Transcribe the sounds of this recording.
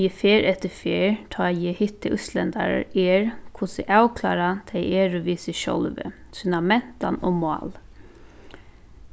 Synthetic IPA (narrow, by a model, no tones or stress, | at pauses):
jɪfeːɾɛht̪əfeːɹt̪ʰɑːjɪhɪt̪ʰːəʔʊst̪lɛnd̪a̰ɾə̰eːɹkʰʊsə̰ʔɑʊkʰlɑ̰ːɾat̪ʰɛɪʔeːɾʊʋiːsɪʃɔ̰lʋə̰ | sʏnamɛn̥t̪a̰nɔːmʊɑ̰ːl